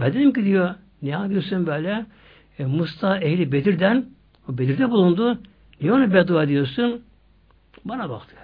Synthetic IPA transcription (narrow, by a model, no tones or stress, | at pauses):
bɛnd̪enʲimcʲid̪ijo | nɛhad̪ijosunbøːlʲɛ | must̪ʰaehlʲibed̪iɾd̪æn | obed̪iɾd̪ɛbulˠund̪u | nionubɛd̪uad̪ijoɾsun | banaba̰kt̪ʰɯ̥